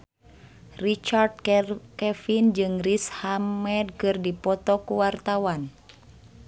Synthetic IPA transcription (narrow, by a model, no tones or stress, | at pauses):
rit͡ʃard̚kɛfind͡ʒɨŋrishamɛd̚kɨrdipɔt̪ɔkuwart̪awan